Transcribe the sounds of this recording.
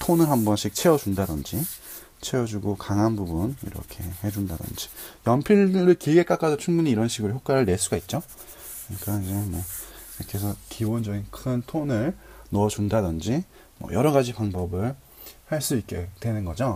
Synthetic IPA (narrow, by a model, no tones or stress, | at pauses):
tʰonɯɭɦambʌnɕʰik̚t͡ɕʰe̞ʌd͡ʑundadɯnd͡ʑi | t͡ɕʰe̞ʌd͡ʑuɡokaŋɦanbubunḭɾʌ̰kʰe̞he̞d͡ʑundadɯ̰nd͡ʑi̥jʌmpʰiɭɾɯɭkiɭɡe̞k͈ak͈adot͡ɕʰuŋɡuɲiːɾʌnɕʰiɡɯɾoçjok͈aɾɯɭne̞ɭs͈uɡait̚t͡ɕ͈o | kɯɲik͈aid͡ʑe̞mʌ | ʌkʰesʰʌkibond͡ʑʌɡinkʰɯntʰonɯɭnoʌd͡ʑundadɯnd͡ʑi | mʌ̰jʌɾʌɣad͡ʑipaŋbʌbɯɭ | haɭs͈uik̚k͈etwe̞nɯnɡʌd͡ʑo